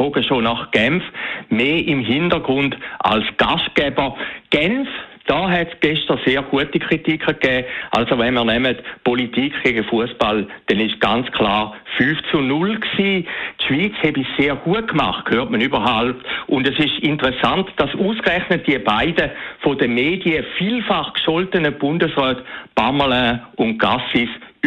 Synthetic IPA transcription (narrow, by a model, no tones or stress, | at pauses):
oɡəʃonaχɡ̥ɛmfmeːʔimɦindəɡʁʊndʔa̰lsɡ̥aʃt̚ɡ̥ɛbəɡ̥ɛnfd̥ɔːɦɛtsɡ̥eʃtəseːɐɡuətikʰʁ̥itikʰχəkɛːʔa̰lsovɛnmiːɐnɛmətpolitiːkʰɡ̥eɡəfuəsb̥ald̥ɛnɪʃɡ̥ant͡skʰlaːʁfyːft͡sunʊlksiːtʃv̥iːt͡shɛbiseːɡ̥uət̚kma̰χtkʰhøːʁtmənybɐɦalp̚tʊndɛsɪʃintəʁɛsantd̥asuːskʁɛχnət̚d̥iəbaɪdəfodəmeːdiəfiːlfaχkʃɔltənəb̥ʊndəsʁœːtb̥aməlɛ̃ʊnt̚ɡ̥asis